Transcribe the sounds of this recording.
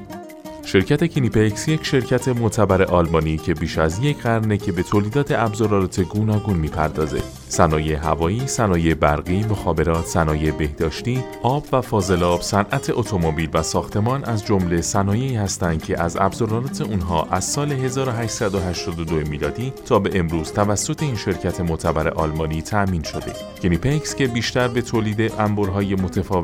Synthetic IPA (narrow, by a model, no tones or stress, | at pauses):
ʃe̞ɾcʰæt̪ʰe̞cʰinipʰecsjecʰʃe̞ɾcʰæt̪ʰe̞mot̪ʰæbæɾe̞ʔɒːlmɒːniːcʰe̞biːʃæzjecʰɢæɾne̞cʰe̞be̞t̪ʰoːliːd̪ɒːt̪ʰe̞æbzɒɾɒlɒːt̪ʰe̞ɡuːnɒːɡunmiːpʰæɾd̪ɒːze̞̰̥ | sænɒːjeɦævɒːiːsænɒːjebæɾɣiːmoxɒːbe̞ɾɒːt̪ʰsænɒːjebehd̪ɒːʃt̪iːʔɒːbvæfɒːze̞lɒːb̥sænʔæt̪ʰe̞ʔot̪ʰo̞mobiːlvæsɒːxt̪ʰe̞mɒːnʔæzd͡ʒomle̞sænɒːje̞iːhæst̪ænd̪̥̚cʰe̞ʔæzæ̰bzoɾɒlɒːt̪ʰe̞unɦɒ̰ːʔæz̥sɒːle̞ɦe̞zɒːɾoɦæʃsæd̪oɦæʃt̪ɒːd̪od̪oemiːlɒːd̪iːt̪ʰɒːbe̞ʔemɾuːz̥t̪ʰævæsːo̞t̪ʰe̞iːnʃe̞ɾcʰæt̪ʰe̞mot̪ʰæbæɾe̞̰ʔɒːlmɒːniːt̪ʰæʔmiːnʃo̞d̪e̞̰ | ɡenipʰekscʰe̞biːʃt̪æɾbe̞t̪ʰoːliːd̪e̞ʔæmboɾɦɒːje̞mot̪ʰefɒː